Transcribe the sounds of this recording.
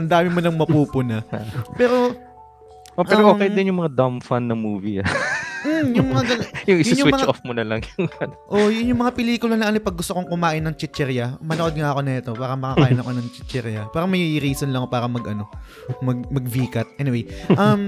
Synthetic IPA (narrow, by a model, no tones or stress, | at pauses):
ʔɐnd̪aːmɪmonɐŋmɐpuːpʊnɐpɛːɾo̞ | ʔoʔɛːɾoʔokɛjɐd̪ɪnjʊŋmɐŋad̪amfanːɐŋmuːviɐmm̩jʊŋmɐŋaɡɐnjʊŋjʊnɲʊwɪmɐŋt͡ʃofmʊnɐlɐŋjʊŋɐnʔojʊnjʊŋmɐŋapɪliːkʊlɐnɐʔɐnojpɐɡ̚ːʊst̪okoŋkʊmaːʔɪnːɐŋt͡ʃɪt̪t͡ʃɛɾjɐmɐnoʔo̞d̪̚ŋaʔɐko̞nɐɛt̪o̞paːɾɐmɐkaːkaːʔɪnɐkonɐŋt͡ʃɪt̪t͡ʃɛɾjɐpaːɾɐmɐjɾiːsonlɐŋpaːɾɐmɐɡʔɐno̞ | mɐɡ̚mɐɡ̚viːkɐt̪̚ʔɛːnɪwejʔɐm